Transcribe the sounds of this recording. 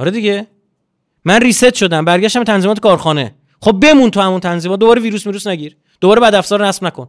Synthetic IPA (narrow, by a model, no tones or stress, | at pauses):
ʔɒ̰ɾed̪iɟe | mænriːset̪ʃo̞d̪æmbæɾɟæʃt̪æmbet̪ænzimɒːt̪̬ʰe̥kʰɒːɾxɒːnḛ | χob̚ːe̞munt̪ʰuhæmunt̪ʰænziːmɒːt̪̚d̪obɒːɾeviːɾuːsmiːɾuːsnæɟiːɾ | d̪̥obɒːɾe̞bæd̪æfzɒːɾnæsb̥nækʰon